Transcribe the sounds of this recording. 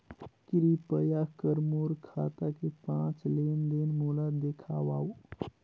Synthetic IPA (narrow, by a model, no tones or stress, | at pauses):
kɾipəjakəɾmoɾkʰat̪akepãt͡ʃlend̪enmolad̪ekʰawaw